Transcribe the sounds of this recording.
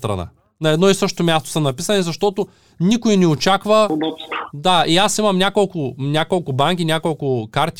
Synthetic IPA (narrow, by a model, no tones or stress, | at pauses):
t̪ɾɐ̰na̰ | nɐɛd̪nɔisɤʃo̥t̪omʲjast̪o̥səmnɐpisɐnizɐʃt̪ɔt̪o | nikʊinɛot͡ʃakvɐ | d̪aiasimɐmnʲakolˠkʊnʲakolˠkʊbaŋk̬inʲakolˠkʊkaɾt̪ʲ